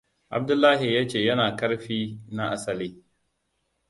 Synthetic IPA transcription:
ʔa̰˨b̚dʊ˦lːaː˦ɦi˨jaː˦t͡ʃeː˦˨jɐ˦naː˨kɐ˦ɽɸiː˦na˦ʔa˦sɐ˨liː˦

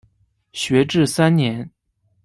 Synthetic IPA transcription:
ɕɥɛ˧˥ʈ͡ʂɻ̩˥˩sa˥nnjɛ˧˥n

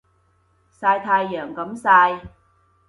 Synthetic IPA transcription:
saː˧jt̪ʰaː˧jːœː˨˩ŋkɐ˨˥msaː˧j

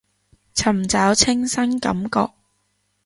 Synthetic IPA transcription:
t͡sʰɐ˨˩mt͡saː˨˥wt͡sʰɪ˥ŋsɐ˥ŋkɐ˨˥mkɔː˧k̚

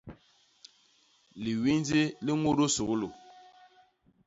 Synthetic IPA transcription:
li˨wi˦nd͡zi˦li˦ŋo˦do˦so˨ɣu˦lo˨

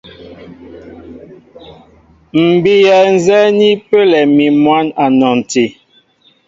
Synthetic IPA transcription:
m̩˨bi˦ja˨n̩˦zɛ˦ni˦pe˦lɛ˨mi˨mwa˦na˨nɔ˨n˨ti˨

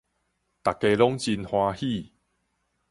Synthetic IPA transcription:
t̪a˨˩kːe˧lɔ˦ŋt͡ɕi˧nhwãː˧hi˥˧˨

